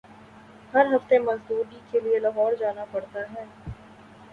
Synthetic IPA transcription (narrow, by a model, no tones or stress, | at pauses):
hɐɾɦɐft̪emɐzd̪uːɾikelielɐɦɔːɾd͡ʒaːnapɐɽt̪aɦɛː